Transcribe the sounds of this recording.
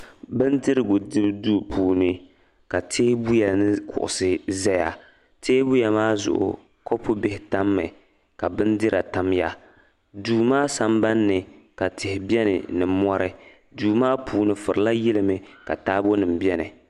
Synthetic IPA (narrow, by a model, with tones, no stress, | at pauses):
bɨ˦ndɨ˦ɾɨ˦ɡʊ˨dɨ˦bduː˦˨pʰuː˨nɨ˦ | ka˨tʰeː˦bu˦ja˨nɨ˦kʊ̰˨ʔʊ̰˨sɨ˦zɛ˦ja˨ | teː˦bu˦ja˨maː˦zʊ̰˨ʔʊ̰˨ | ko˦pʊ˦bɪ˦hɪ˨˦ta˦mːɨ˨ | ka˨bɨ˦ndɨ˦ɾa˨ta˦mja˦ | duː˨maː˦sa˦mba˦nːɨ˨ | ka˨tɪ˨hɪ˨bʲɛ˦nɨ̰˨nɨ˨mɔ˦ɾɨ˦ | duː˨maː˦pʰuː˨nɨ˨fʊ˨ɾɨ˨la˦jɪ˦lɨ˦mɨ˨ka̰˨taː˦bo˦nɨ˨m˨bɛ˦nɨ̰˨